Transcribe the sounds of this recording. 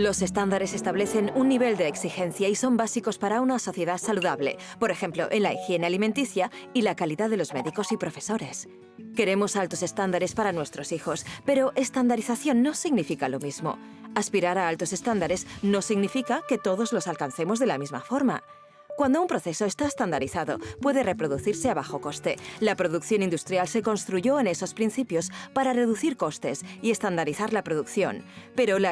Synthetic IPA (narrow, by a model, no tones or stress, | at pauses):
lo̞se̞st̪and̪aɾe̞se̞st̪aβle̞θe̞nunːiβ̞e̞ld̪eːksixe̞n̟θjaiso̞mbasiko̞spaɾaunaso̞θje̞ðasaluðaβle̞̰po̞ɾe̞xe̞mplo̞̰ʔe̞nlaixje̞nealiment̪iθjailakaliðaðe̞lo̞zme̞ðiko̞sipɾo̞fe̞so̞ɾe̞s | ke̞ɾe̞mo̞salt̪o̞se̞st̪and̪aɾe̞spaɾanwe̞st̪ɾo̞sixo̞spe̞ɾo̞ʔe̞st̪and̪aɾiθaθjo̞nːo̞siɣnifikalo̞mizmo̞̰ | aspiɾaɾaalt̪ose̞st̪and̪aɾe̞sno̞siɣnifikake̞t̪o̞ðo̞zlo̞salkan̟θe̞mozðe̞lamizma̰fo̞ɾma̰ | kwand̪oumpɾo̞θe̞so̞est̪aest̪and̪aɾiθaðo̞̰pwe̞ðere̞pɾo̞ðuθiɾseaβaxo̞ko̞st̪elapɾoðukθjo̞nĩnd̪ust̪ɾjalse̞ko̞nst̪ɾuʝo̞ene̞so̞spɾin̟θipjo̞spaɾare̞ðuθiɾko̞st̪e̞sie̞st̪and̪aɾiθaɾlapɾoðukθjo̞̰npe̞ɾo̞la